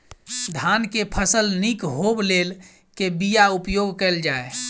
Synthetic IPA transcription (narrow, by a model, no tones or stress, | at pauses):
d̪ʱankepʰəsəlnikɦoblel | kebijaupjoɡkɛld͡ʒae